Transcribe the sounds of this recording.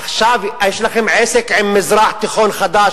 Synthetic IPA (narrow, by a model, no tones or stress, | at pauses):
xʃaːvʔajɪʃlaxɪmʕeːsɪkʕɪmmɪzɾˤɑːħt̪ːɪxoːnxad̪aː